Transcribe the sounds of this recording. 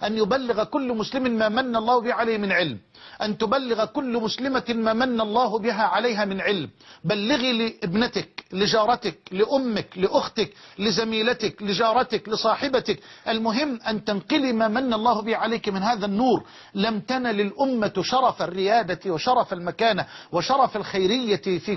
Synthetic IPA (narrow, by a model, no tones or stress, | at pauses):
ʔanjʊbalːɪɣakʊlːmʊslɪmɪmaːmanːaʔɑlˤːɑːhbɪʕalaːmɪnʕɪlm | ʔant̪ʊbalːɪɣakʊlːmʊslɪmamaːmanːalˤːɑːhʊbɪɦaʕalajɦamɪnʕɪlmbalːɪɣilɪʔɪbnɪt̪ɪklɪd͡ʒɑːɾˤɑt̪ɪk̚lɪʔʊmːɪklɪʔʊxt̪ɪklɪzamiːlat̪ɪklɪd͡ʒɑːɾˤɑt̪ɪklɪsˤɑːħɪbat̪ɪkʔalmʊɦɪmːʔant̪anqɪlimaːmanːalˤːɑːhbɪhʕalaːkmɪnhaːðanːuːɾ | lamt̪analɪlʔʊmːaʃɑɾˤɑfarːɪjaːd̪awɪʃɑɾˤɑfalmakaːnawɪʃɑɾˤɑfalxajɾɪjːafiː